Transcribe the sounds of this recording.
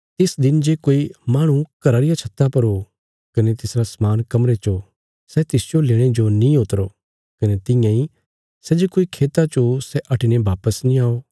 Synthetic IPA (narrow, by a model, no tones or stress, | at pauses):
t̪ɪsd̪ɪnd͡ʒeːkoːimaːɽ̃ũkɐɾaːɾɪjat͡ʃʰɐt̪ːapɐɾo | kɐnet̪ɪsɾasmaːnkɐmɾet͡ʃo | sɛt̪ɪsd͡ʒoleːɽ̃ed͡ʒonĩot̪ɾo | kɐnet̪ɪ̃jãi | sɛd͡ʒekoːikʰeːt̪at͡ʃosɛʔɐʈɪñebaːpəsnĩaːoː